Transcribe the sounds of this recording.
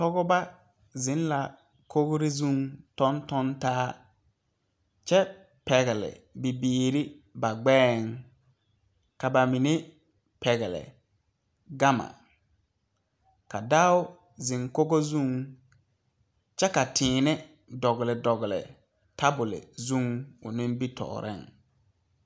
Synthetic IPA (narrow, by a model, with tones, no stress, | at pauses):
tɔ˦ɡɔ˦ba˦ | zɪ˨˦n˦la˨ | kʰo˦ɣɾɪ˦zu˦˨ŋtɔ˦ntɔ˦ntaː˦ | t͡ʃɛ˦ | pɛ˨ɣɪ˨lɪ̰˨bi˨biː˦˨ɾɪ˦ | ba˨ɡ͡bɛː˦ŋ | ka˨ba˨mi˨ne˦ | pɛ˨ɣɛ˨lɪ̰˨ | ɡa˦ma̰˨ | ka˨da˦ʊ˦ | zɪ˨ŋko˦ɡo˦zu˦ŋ | t͡ʃɛ˦ka˨tʰɪː˨nɛ˦ | dɔ˨ɣɪ˨lɪ˨dɔ˨ɣɪ˨lɪ̰˨ | ta˦bʊ˨lɪ̰˨zu˦ŋʊ˨nɪ̃˦mbi˦tʰɔ̰˨ɾʔɪ̰˦˨ŋ